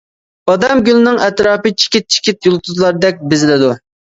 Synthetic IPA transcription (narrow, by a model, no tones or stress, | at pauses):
ɑd̪ɛmɡʲylˠnɪŋɛt̪ɾɑːpɨt͡ʃʰi̥kʲit̪̚t͡ʃʰi̥kʲit̪jolˠt̪ʰuzlˠɑɾd̪ɛk̚ʲbɪzɪlɪd̪u